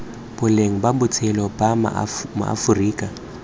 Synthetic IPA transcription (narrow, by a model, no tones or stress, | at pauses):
b̥ʊleŋ̩babʊt͡sʼʰɛlɔba̰mʊ̰a̰fʊriːkʼa